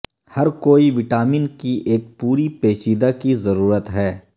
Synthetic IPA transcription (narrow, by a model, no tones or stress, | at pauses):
hɐɾkoːiʋɪʈaːmiːnkiʔeːk̚puːɾipeːt͡ʃiːd̪akizɐɾuːɾət̪ɦɛː